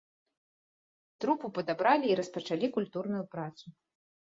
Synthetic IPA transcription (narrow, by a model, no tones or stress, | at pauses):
t̪ɾupupɐd̪abɾalʲiːɾɐspɐt͡ʂalʲikulʲt̪urnujupɾat̪su